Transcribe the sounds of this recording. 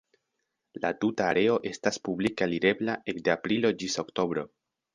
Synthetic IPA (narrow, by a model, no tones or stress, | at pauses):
la̰tutaːɾe̞o̞ʔe̞staspublikaliɾe̞blaʔe̞kdeapɾilo̞d͡ʒiso̞kto̞bɾo̞̰